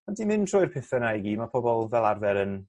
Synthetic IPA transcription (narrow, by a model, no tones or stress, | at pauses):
andimɪntʰr̥ɔɨjrpʰɪθənajɡimapʰɔbɔlˠvɛlˠarvɛɾən